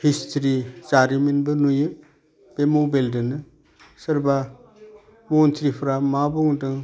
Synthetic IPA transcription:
histʰɾizaɾiminbɯnujɯ | b̥emobeldɯnɯ | sɯɾba | montʰɾipʰɾamabɔŋdɯŋ

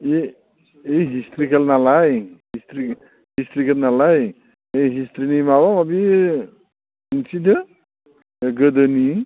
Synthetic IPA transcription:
e | ejɦistɾikʰelnalajhistɾi | histɾikʰelnalaj | ejɦistɾinimawaŋabi | insidɯ | eɡɯdɯni

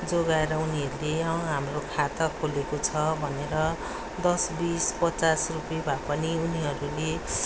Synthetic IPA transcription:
d͡zoɡaeɾʌuniɦʌɾuleʌɦamrokʰat̪ʌkʰolekot͡sʰʌbʱʌneɾʌ | d̪ʌsbispʌt͡sasrupebʱapʌniuniɦʌɾule

